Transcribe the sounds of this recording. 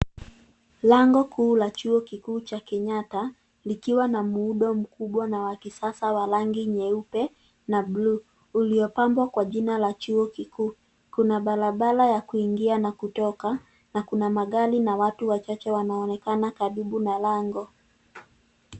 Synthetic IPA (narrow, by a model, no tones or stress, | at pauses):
laŋɡɔkʰuːlat͡ʃuɔkikuːt͡ʃakɛɲata | likiwanamuːɗɔm̩kuɓwanawakisasawalaŋɡiɲɛupɛ | nabluː | liɔpambwakwaʄinalat͡ʃuɔkikuː | kunaɓalaɓalajakuiŋɡianakutɔka | nakunamaɠalinawatuwat͡ʃat͡ʃɛwanaɔnɛkanakaɾiɓunalaŋɡɔ